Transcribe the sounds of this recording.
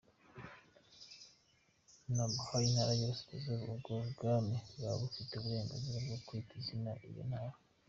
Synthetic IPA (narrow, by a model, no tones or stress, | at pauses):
nabhainhaɾajosi̥tezeubɡoβɡamija̰βufiteuβuɾe̞ːŋɡaziɾabɡokwitizinaʔḭjo̰nhaɾa